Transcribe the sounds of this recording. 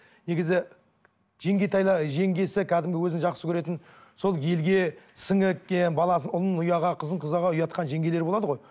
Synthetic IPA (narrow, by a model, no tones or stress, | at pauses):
ne̞ɡʲɪzɪ | ʒ̥e̞ŋɡʲet̪ʰɑjlˠəʒe̞ŋɡʲe̞sɪkʲʰæd̪ɪmɡʲɪwɵzɪŋʒɑqsəkʲʰɵɾe̞t̪ɪnso̞lˠje̞lɡʲe̞sɪŋɪkenbɑlˠɑsənʊlˠnːʊjɑʁɑqʰəzəɴqʰəzɑʁɑʊjɑt̪qɑnʒe̞ŋɡʲe̞le̞ɾbo̞lˠɑd̪əʁoj